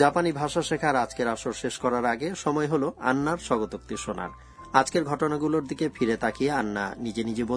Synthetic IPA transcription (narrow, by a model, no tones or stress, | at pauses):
d͡ʑapanibʱaʃaʃekʰaɾad͡ʑkeɾaʃoɾʃeʃkɔɾaɾaɡeʃɔmɔeɦoloa̰nːaɾʃɔɡot̪ok̚t̪iʃona̰ɾ | ad͡ʑkeɾɡʱɔʈonaɡuloɾd̪ikefʰiɾet̪ʰakijeanːa̰nid͡ʑenid͡ʑibo